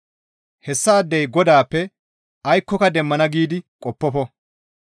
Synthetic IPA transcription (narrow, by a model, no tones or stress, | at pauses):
hɛsːaːd̪ːɛjɡɔd̪aːpːɛ | ʔɐjkːɔkɐd̪ɛmːɐnɐɡiːd̪ɪkʼɔpːɔfɔ